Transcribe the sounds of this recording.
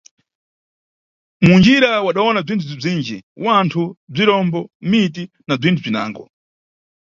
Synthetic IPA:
mund͡ʒiɾawaɗawɔnab͡ʐintʰub͡ʐib͡ʐiːnd͡ʒiwantʰub͡ʐiɾɔmbɔmiti | nab͡ʐintʰub͡ʐina̰ːŋɡɔ

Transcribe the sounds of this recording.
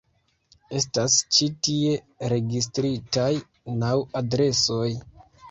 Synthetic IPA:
e̞stast͡ʃitie̞ | ɾe̞ɡis̬tɾitaj | nawadɾe̞soj

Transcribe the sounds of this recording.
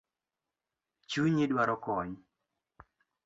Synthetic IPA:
t͡ʃuɲedwaɾɔkɔɲ

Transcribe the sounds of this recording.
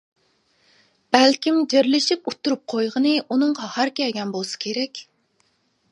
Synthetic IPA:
b̥ælkʲimd͡ʒeɾlɪʃiput̪ʰːuɾup̚qʰojʁənɨʔunɨŋʁɑhæɾkʲiɛɡʲɛnbolˠsɨ̥kʲʰeɾɛkʲ

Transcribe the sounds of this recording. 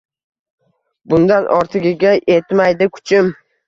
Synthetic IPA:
bʊnd̪anʔɒ̰ɾt̪ʰɪɡʲɪɡʲaʔet̪majd̪ɪkʰʊ̥t͡ʃʰɪm

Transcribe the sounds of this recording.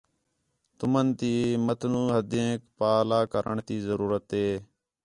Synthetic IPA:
t̪ʊmənt̪iːmət̪ʰnũːɦəd̪ẽːkpaːlaːkəɾʔəɳt̪iːzəɾuːɾət̪eː

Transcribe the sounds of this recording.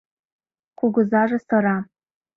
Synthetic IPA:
kʷʰʊɡʷʊzaʐasaɾa

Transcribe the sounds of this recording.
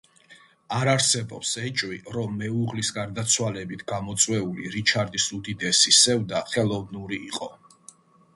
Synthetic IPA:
aɾaɾsɛbɔpsɛt͡ʃʼwiɾɔmːɛuʁlisɡaɾd̪at̪sʰwalɛbit̪ʰɡamɔt̪sʼwɛuliɾit͡ʃʰaɾd̪isud̪id̪ɛsisɛvd̪aχɛlˠɔvnuɾiːqʼɔ

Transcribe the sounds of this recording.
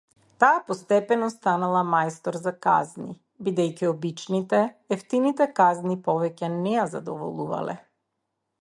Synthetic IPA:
t̪aːpɔst̪ɛpɛnɔst̪analˠamajst̪ɔɾzaka̰zni | bid̪ɛjciɔbit͡ʃnit̪ɛːft̪init̪ɛkaznipɔvɛcɛnɛjazad̪ɔvɔ̰lˠuva̰lɛ̰

